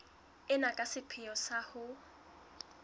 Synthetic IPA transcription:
ɪnakʼasɪpʰɪjɔsahʊ

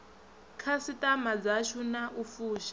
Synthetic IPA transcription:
kʰasitʼamad͡zaʃʰunaʔufuːʃḁ

